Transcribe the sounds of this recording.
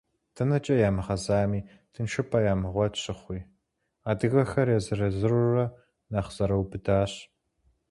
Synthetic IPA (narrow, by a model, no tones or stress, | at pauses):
tʰɐnɐt͡ʃʼɐjaːmɨʁɐzaːmiː | tʰɨnʃɨpʰʼɐjaːmɨʁʷɔtɕʼɪχʷiː | aːdɨɣɐxɐrjɛzɨrɐzɨrɨrɐ | naːχz̥ɐɾɐwbɨdaːɕ